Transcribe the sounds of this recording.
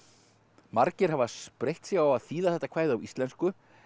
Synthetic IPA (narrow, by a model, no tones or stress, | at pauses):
maɾcɪɾ̥havaspɾejht̪sjɛɣawaðθiːðaθɛht̪ːakʰvaːjðʏawʔist̪lɛnskʏ